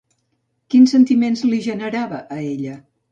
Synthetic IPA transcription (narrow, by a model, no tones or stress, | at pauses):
kinsənt̪imenzliʒənəɾaβəʔːeʎə